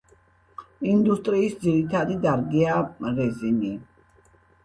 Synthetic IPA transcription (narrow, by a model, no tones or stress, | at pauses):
ind̪ust̪ʼɾiːsd̪ziɾit̪ʰad̪id̪aɾɡiaɾɛzini